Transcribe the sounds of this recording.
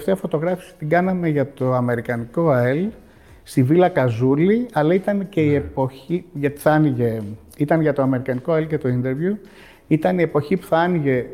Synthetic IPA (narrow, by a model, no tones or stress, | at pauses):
ft̪eɐfo̞t̪o̞ɣɾɐfi̥si̥t̪iɡɐnɐme̞ʝɐt̪o̞ɐme̞ɾikɐniko̞el | st̪ivilɐkɐzuliɐlɐit̪ɐnce̞ie̞po̞çiʝɐt̪i̥θɐniʝe | it̪ɐnʝɐt̪o̞ɐme̞ɾikɐniko̞elce̞t̪o̞ind̪e̞ɾvju | it̪ɐnie̞po̞çipu̥θɐɐniʝe̞